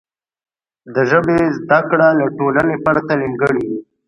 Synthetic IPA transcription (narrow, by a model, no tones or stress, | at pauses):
d̪əʒəbezd̪akɽalaʈolanepaɾt̪aliŋɡəɽiwi